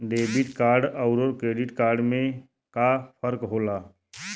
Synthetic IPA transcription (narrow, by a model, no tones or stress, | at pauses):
ɖeːbɪʈkaːɾɖəʊɾoɾkɾeːɖɪʈkaːɾɖmẽ | kapʰəɾkɦoːlaː